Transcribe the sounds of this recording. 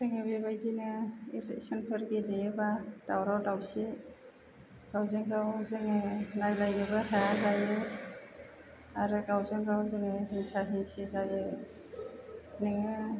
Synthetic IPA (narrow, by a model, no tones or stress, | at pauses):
zɯŋɯbeβajdinɯḭlek̚sɔnpʰɯɾɡilejebad̥awɾawdawsi | ɡ̥awzɯŋɡawzɯŋɯnajlajnɯβɯɦajazajɯ | aɾɯɡawzɯŋɡawzɯŋɯɦiŋsaɦiŋsizajɯ | nɯŋɯ